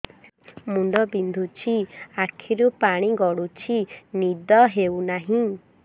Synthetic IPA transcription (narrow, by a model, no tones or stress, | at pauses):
muɳɖɔbind̪ʱut͡ʃʰiakʰiɾupaɽ̃iɡɔɽut͡ʃʰinid̪ɔɦewnaɦĩ